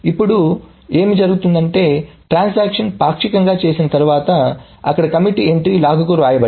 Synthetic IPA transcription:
ipːuɽu | e̞ːmid͡ʒɐɾuɡut̪und̪ɐɳʈe̞ːʈɾaːnsaːkʂɐnpaːkʂikɐŋɡaːt͡ʃe̞ːsinɐt̪ɐɾuʋaːt̪ɐ | ɐkːɐɽɐkɐmiʈie̞ɳʈɾiːlaːɡɐkuːɾaːjɐbɐ

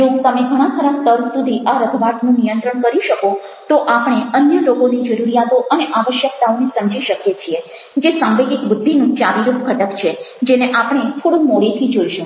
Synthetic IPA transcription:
d͡ʒõt̪əmeɡʱəɽ̃ãt̪ʰəɾãst̪əɾsud̪ʱiʔaɾəd̪ʰʱbaʈnũnijənt̪ɾəɳkəɾiʃəko | t̪oʔapɳ̃eənjəɾoɡonid͡ʒəɾuɾijat̪oʔəneʔaʋəʃjəkt̪aonesəmd͡ʒiʃəkjet͡ʃʰie | d͡ʒesãmbeɡikbʊd̪ʱːinũt͡ʃaʋiɾupkʰəʈəkt͡ʃʰed͡ʒeneʔapɳ̃et̪ʰoɽũmoɭit̪ʰid͡ʒoiʃo

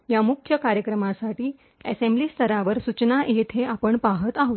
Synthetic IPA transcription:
jamukʰjəkaɾjəkɾəmasaʈiː | ɛsembliːst̪ʰəɾaʋəɾsut͡ɕnaʔet̪ʰeapəɳpaɦət̪aɦot̪

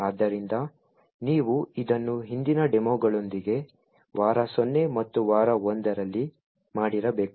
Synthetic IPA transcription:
aːd̪ːɐɾind̪ɐ | niːʋuid̪ɐnːuɦind̪inɐɖemoːɡɐɭo̞nd̪iɡe̞ | ʋaːɾɐsonːe̞mɐt̪ːuʋaːɾɐond̪ɐɾɐlːi | maːɽiɾɐbe̞ːk

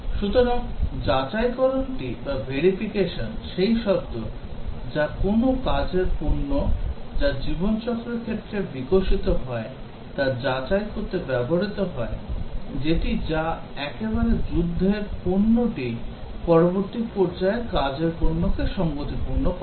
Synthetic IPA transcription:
ʃut̪oɾaŋd͡ʑat͡ɕajkɔɾonʈibabeɾifikeʃonʃejʃɔb̚d̪od͡ʑakonokad͡ʑeɾpuɾnod͡ʑad͡ʑibont͡ɕɔkːɾeɾkʰet̪ːɾebikoʃit̪oɦɔe | t̪ad͡ʑat͡ɕajkoɾt̪ebɛboɾit̪oɦɔed͡ʑeʈid͡ʑaɛkebaɾed͡ʑud̪ʱːeɾpuɾnoʈipɔɾoboɾt̪ipɔɾd͡ʑaekad͡ʑeɾpuɾnokeʃɔŋɡot̪ipuɾno

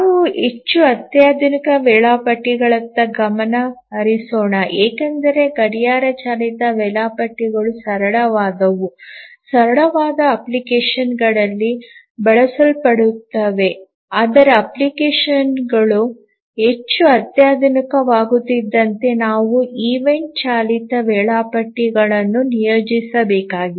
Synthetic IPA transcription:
naʋuet͡ʃːuɐt̪jaːd̪ʱnikɐʋɛɭaːpɐʈːiɡɐɭɐnt̪ːɐɡɐmɐnɐɦɐɾisoːɳɐʔeːkɐnd̪ɐɾe̞ɡɐɽijaːɾɐt͡ʃaːlit̪ɐʋɛɭaːpɐʈːiɡɐɭusɐɾɐɭɐʋaːd̪ɐʋusɐɾɐɭɐʋaːd̪ɐːplikeːʂɐnɡɐɭɐlːi | bɛɭɐsɐlpɐɽut̪ːɐʋe̞ | aːd̪ɐɾeɐplikeːʂɐnɡɐɭu | ɦe̞t͡ʃːuɐt̪jaːd̪nikɐʋaːɡut̪ːid̪ːɐnt̪e̞naːʋuiːʋe̞ɳʈ̚t͡ʃaːlit̪ɐʋɛːɭaːpɐʈːiɡɐɭɐnːunijoːd͡ʒisɐbɛːkaːɡi

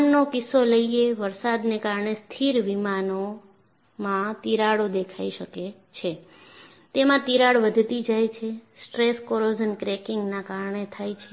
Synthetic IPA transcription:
nnokɪsoləieʋəɾsad̪nekaɾɳest̪ʰiɾʋimano | mãt̪iɾaɽod̪ekʰaiʃəke | t͡ʃʰe | t̪emãt̪iɾaɭʋəd̪ʱt̪id͡ʒajt͡ʃʰesʈɾeskoɾod͡ʒənkɾekɪŋɡnakaɾɳet̪ʰajt͡ʃʰe

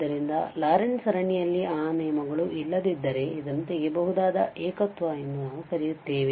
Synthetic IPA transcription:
d̪ɐɾind̪ɐ̰laːɾensɐɾɐɳijɐlːiaːneːmɐɡɐɭuʔilːɐd̪id̪ːɐɾe̞id̪ɐnt̪eɡebɐɦud̪aːd̪ɐ̰ʔɛːkɐt̪ʋɐenːunaːʋukɐɾijut̪ːeːʋe

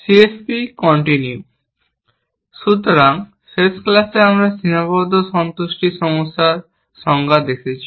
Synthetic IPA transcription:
siespikɔɳʈinju | ʃut̪oɾaŋ | fesklaseamɾasinabɔd̪ʱoʃɔnt̪oʃʈiʃɔmosːaɾ | ʃɔŋɡad̪ekʰet͡ɕʰi̥

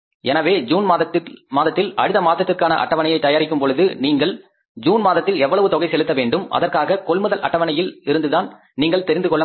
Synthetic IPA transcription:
ɛnɐʋeːd͡ʒuːnmaːðɐt̪ːɪlɐɻɪðɐmaːt̪ːɐt̪ːɪrkaːnɐ̰ʔɐ̰ʈːɐʋɐnɐjɐɪt̪ːɐjaːɾɪkʲːɯmpɔɭɯðɯniːŋɡɐɭ | d͡ʒuːnmaːðɐt̪ːɪlɛʋːɐɭɐʋɯt̪ɔɣɐɪsɛlɯt̪ːɐʋeːɳɖɯmɐ̰ðɐrkaːɣɐkɔɭmɯðɐlʔɐ̰ʈːɐʋɐnɐjɪlɪɾɯnd̪ɯðaːn | niːŋɡɐɭt̪ɛɾɪnd̪ɯkɔɭːɐ

